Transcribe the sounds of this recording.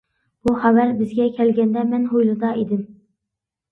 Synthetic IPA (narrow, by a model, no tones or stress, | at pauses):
b̥uhæwæɾbɪzɡʲɛkʲʰɛlɡʲɛnd̪ɛmɛnɦojlˠɨd̪ɑed̪ɪm